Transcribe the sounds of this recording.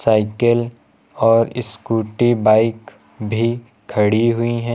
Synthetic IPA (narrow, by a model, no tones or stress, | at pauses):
saːɪkəl | ɔːɾɪ̰skuːʈibaːɪk | bʱi | kʰːɐɽiɦʊiɦɛ̃